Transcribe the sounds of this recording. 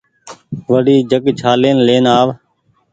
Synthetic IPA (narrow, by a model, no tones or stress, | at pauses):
ʋəɗiːd͡ʒəkt͡ʃʰaːleːnleːnaːʋ